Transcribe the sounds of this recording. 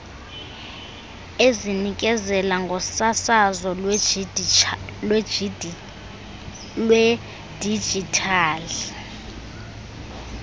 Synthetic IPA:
ezinikʼɛzɛlaŋɡʱɔsasazɔlw | lwɛ | lwɛ | d̥ʱi̥d͡ʒʱitʰaːli

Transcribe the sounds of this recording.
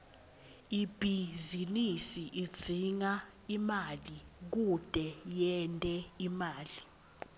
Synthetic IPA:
ib̥ʱizinisiʔi̥d͡z̥ʱiŋa | imalik̬ud̥ʼʱɛjɛntʼɛimaːli

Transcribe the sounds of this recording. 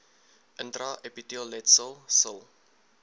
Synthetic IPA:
ʔəntraʔɛpitiəllɛtsəlˠsəlˠ

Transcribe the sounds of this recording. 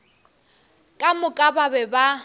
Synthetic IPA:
kʼamʊkʼababɛba

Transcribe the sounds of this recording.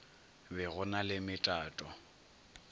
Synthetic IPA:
bɛɣʊnalɪmɪtʼaːtʼɔ

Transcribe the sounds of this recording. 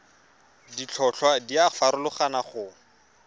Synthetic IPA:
dit͡ɬʰɔɬʰwadiafaɾʊlʊχanaχʊ

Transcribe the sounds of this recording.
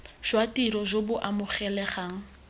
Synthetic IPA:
ʒ̥watʼiɾɔʒobʊʔamʊχɛlɛχaːŋ̩

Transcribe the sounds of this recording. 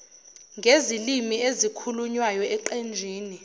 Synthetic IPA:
ŋɡʱezilimiezikʰuluɲwajɔɛǃend͡ʒʱiːni

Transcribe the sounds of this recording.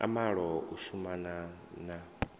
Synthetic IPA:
a̰maɺɔuʃumanana

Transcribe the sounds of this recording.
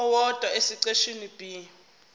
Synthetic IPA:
wɔd̥ʱwaesiǀeʃinib̥ʱi

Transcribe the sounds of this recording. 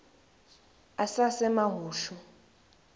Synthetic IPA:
asasɛmaɦuːʃu

